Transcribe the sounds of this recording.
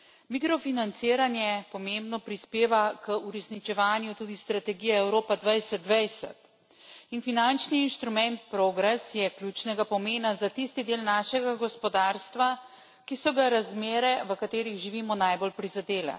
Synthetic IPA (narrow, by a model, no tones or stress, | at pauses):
mikɾɔfinant̪siːɾanjɛpɔmembnɔpɾispeːʋakəuɾɛsnit͡ʃɛʋaːnjut̪ud̪ist̪ɾat̪ɛɡiːjaɛwɾoːpad̪ʋajsɛt̪̚d̪ʋɛjsɛ̰t̪ | infinant͡ʃniːnʃt̪ɾumɛnt̪̚pɾoɡɾɛsjɛkljuːt͡ʃnɛɡapɔmeːnazat̪ist̪id̪eːlnaːʃɛɡaɡɔspɔd̪aːɾst̪ʋa | kisɔɡaɾazmeːɾɛʋəkat̪eːɾiɣʒiʋiːmɔnajbolpɾizad̪eːlɛ̰